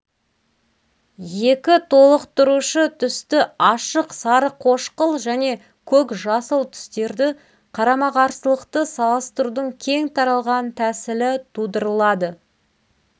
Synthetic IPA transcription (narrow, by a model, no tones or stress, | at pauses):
je̞kʲɪt̪ʰo̞lˠəqt̪ʊɾuʃət̪ʰʏst̪ɪɑʃəqsɑɾəqʰo̞ʃqəlˠʒæne̞ | kʲʰɵkʒɑsəlˠt̪ʰʏ̥st̪e̞ɾd̪ɪ | qʰɑɾɑmɑʁɑɾsəlˠəqt̪əsɑlˠəst̪əɾud̪əɴkʲʰe̞ŋt̪ʰɑɾɑlˠʁɑnt̪ʰæsɪlɪt̪ʰud̪əɾəlˠɑd̪ə